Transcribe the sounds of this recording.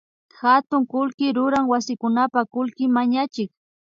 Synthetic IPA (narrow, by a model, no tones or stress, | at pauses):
hat̪ʊŋkʊlkɪɾʊɾaŋwasɪkʊnapakʊlkɪmaɲat͡ʃɪk